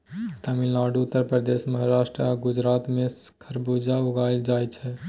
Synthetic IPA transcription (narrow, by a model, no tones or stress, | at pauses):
t̪amilaːɖuʊt̪ːəɾpɾəd̪esməɦaɾaːʃʈɾəaɡʊd͡ʒɾaːt̪mẽskʰəɾbud͡ʒauɡajld͡ʒaːjt͡ʃʰɛ